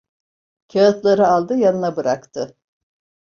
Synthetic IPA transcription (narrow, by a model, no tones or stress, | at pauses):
cʰaat̪lˠaɾɯalˠd̪ɯjanɯnabɯɾakt̪ʰɯ